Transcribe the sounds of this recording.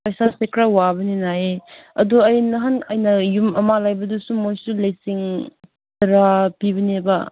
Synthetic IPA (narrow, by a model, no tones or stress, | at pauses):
pajsasekɾawabɐninaeɐ̰duɐjnɐɦanɐjnɐjumɐmalajbɐdusumojsulɐjsiŋ | tɐɾapiβɐnebɐ